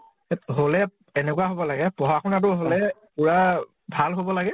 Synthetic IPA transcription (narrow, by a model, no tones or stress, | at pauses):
ɦolɛ | ɛnɛkuwaɦobɔlaɡɛpɔɦakʰɔnat̬ʊɦolɛpuɹa | bʱalɦobɔlaɡɛ